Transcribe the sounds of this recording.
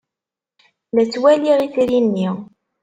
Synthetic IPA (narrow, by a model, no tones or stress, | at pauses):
læt͡sːwæliʁiθiɾinːiʁ